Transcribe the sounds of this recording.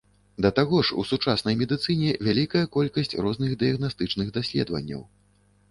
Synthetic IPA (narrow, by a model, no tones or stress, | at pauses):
d̪ɐt̪aɣɔʂṵsut͡ʂasn̪ɐjmʲɛd̪ɨt̪sɨnʲɛvʲalʲikɐjɐkɔlʲkɐsʲt͡sʲrɔznɨɣd̪ɨjɐɣnast̪ɨt͡ʂnɨɣd̪asʲlʲɛ̰d̪vɐ̰nʲːɐ̰w